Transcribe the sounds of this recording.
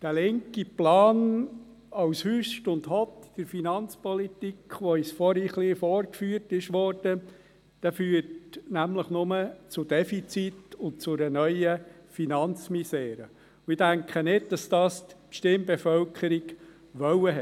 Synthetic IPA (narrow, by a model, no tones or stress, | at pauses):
d̥ælɪŋkiplɑːn | ɑʊshyʃtʊndhɔtd̥əɾfinɑnt͡spɔlit̪ikχʋoisfɔɾiχliːfɔɾkfyːrtɪʃʋɔrd̥ə | d̥æfyːətnæmləχnʊmət͡sʊd̥ɛfit͡sit̪ʊnt̚t͡sʊɾənœʏəfinɑnt͡smisɛːɾə | ʊɪdæŋkχənɪdd̥ɑsd̥ɑːstʃtɪmbefœlkʰəɾik | ʋœwəɦɛ